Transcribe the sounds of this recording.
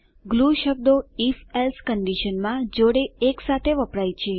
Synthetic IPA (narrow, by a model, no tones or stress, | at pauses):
ɡluʃəb̚d̪oifelskəɳɖiʃənmãd͡ʒoɽeːksat̪ʰeʋəpɽajt͡ʃʰe